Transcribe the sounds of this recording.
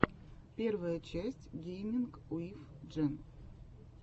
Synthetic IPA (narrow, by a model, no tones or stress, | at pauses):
pʲe̞rvəjət͡ɕæsʲtʲɡʲejmʲɪnkuifʐɛn